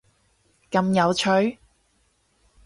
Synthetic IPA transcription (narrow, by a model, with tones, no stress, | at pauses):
kɐ˧mjɐ˨˧wt͡ʃʰɵ˨˧ɥ